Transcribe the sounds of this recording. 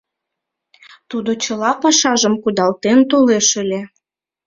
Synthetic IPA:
t̪ud̪ot͡ɕəlɑpɑʃɑʒəmkud̪ɑlt̪ent̪oleʃəlʲe

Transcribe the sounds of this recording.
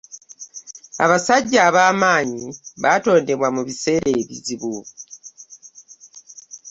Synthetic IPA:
a̰βasaɟːaːβaːmaːɲiβato̞ːnde̞βwamuβise̞ːɾʔe̞ːβḭziβu

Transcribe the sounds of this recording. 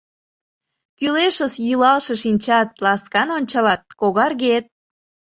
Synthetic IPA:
kyleʃəsjylɑlʃəʃinʲt͡ɕɑt̪̚lɑskɑnonʲt͡ɕɑlɑt̪̚koɣɑrɣet̪̚

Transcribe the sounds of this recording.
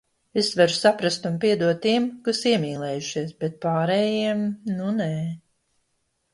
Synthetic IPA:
esvaɾusapɾast̪unpiɛd̪uɔt̪ːiɛmkusiɛmiːlˠɛːjuʃiɛsbɛt̪̚paːɾɛjiɛmnuneː

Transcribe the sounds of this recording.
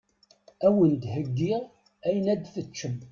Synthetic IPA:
æwənd̪həɡːiʁ | æjənæd̪fət͡ʃːəm

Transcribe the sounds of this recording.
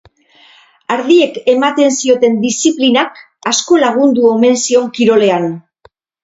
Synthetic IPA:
aɾð̞ie̞ke̞mat̪e̞nsio̞t̪e̞nd̪isiplinak | asko̞laɣ̞und̪uo̞me̞nsio̞ŋkiɾo̞le̞an

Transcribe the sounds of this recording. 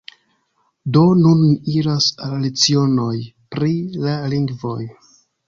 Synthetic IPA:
do̞nunːiɾasallet͡sio̞no̞jpɾilaliŋɡvo̞j

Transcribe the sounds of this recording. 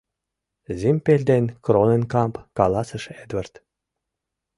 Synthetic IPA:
zʲimʲpʲelʲd̪enʲkronĕnʲkɑmpkɑlˠɑsɤ̆ʃed̪vɘ̆rt̪

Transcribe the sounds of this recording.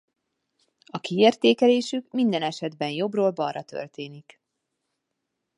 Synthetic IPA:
ɒkieːrt̪eːkɛleːʃykmind̪ɛnɛʃɛd̪bɛnjo̞broːlbɒrːɒt̪ø̞̰rt̪eːnik

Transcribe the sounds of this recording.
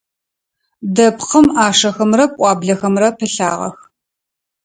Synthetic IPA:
dɐpqəmaːʂɐxɐmrɐpʷʼɑːbɮɐxɐmrɐpʰɨɬa̰ːʁɐ̰x

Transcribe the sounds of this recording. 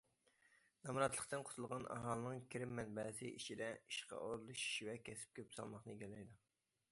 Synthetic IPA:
nɑmɾɑt̪lˠəχt̪ɨnqʰo̥t̪ʰulˠʁɑnʔɑ̰ɦɑlˠɨnɨŋkʲʰiɾɪmːɛnbɛsɪʔiʃid̪ɛiʃqɑ̰ʔoɾlˠuʃi̥ʃvɛkʲʰɛsɪ̥p̚kʲøpsɑ̰lˠmɑχnɨɡʲɛlɛjd̪u

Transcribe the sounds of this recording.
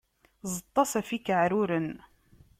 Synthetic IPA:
zˤət̪ˤːɑsæfikʕɾʊɾən

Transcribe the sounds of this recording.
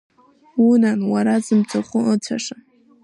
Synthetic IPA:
unanwaɾazɨmt͡sʷʰʼaχʷʊət͡sʷʰaʂa

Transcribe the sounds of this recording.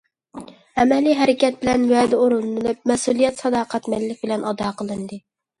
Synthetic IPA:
ɛmɛlijɦɛɾɪkʲɛt̪̚bɪlɛnwɛd̪ɪoɾulˠɨnɨlɨp̚mɛsulˠijɛt̪sɑd̪ɑːqʰæt̪mɛllɪk̚ʲbɪlɛnɑd̪ɑːqʰəlˠɨnd̪ɨ

